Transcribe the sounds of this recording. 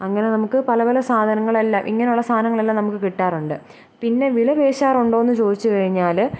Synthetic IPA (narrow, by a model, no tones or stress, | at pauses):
ɐŋːɐne̞nɐmukːɨpɐlɐpɐlɐsaːd̪ʱɐnɐŋːɐɭelːamʔḭŋːɐneuɭːɐst̪ʰaːɐnɐŋːɐɭelːaːnɐmukːɨkiʈːaːruɳɖɨ | pinːe̞ʋilɐbe̞ːɕaːruɳɖo̞ːenːɨt͡ɕo̞ːd̪it͡ɕːɨkɐɻiɲːaːl